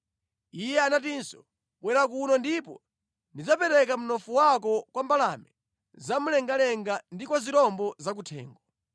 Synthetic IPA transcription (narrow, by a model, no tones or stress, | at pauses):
ijɛanatinsɔ | kwɛɾak̬unɔndipɔ | ndid͡zapɛɾɛk̬am̩nɔfuwak̬ɔkwambalamɛ | zamulɛŋɡalɛŋɡandikwaziɾɔmbɔzak̬utʰɛ̰ːŋɡɔ